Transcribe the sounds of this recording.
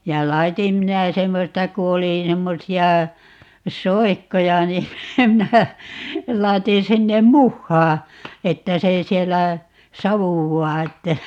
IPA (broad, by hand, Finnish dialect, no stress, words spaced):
jɑ lɑitim minæ semːostɑ ku oli semːosiɑ soikːojɑ ni minæ lɑi̯tin sinːem muhːɑː etːæ se sielːæ sɑʋuwːɑː etːæ